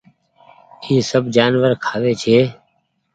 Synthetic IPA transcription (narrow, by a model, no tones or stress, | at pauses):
ĩːsəbd͡ʒaːnʋəɾkʰaːʋeːt͡ʃʰeː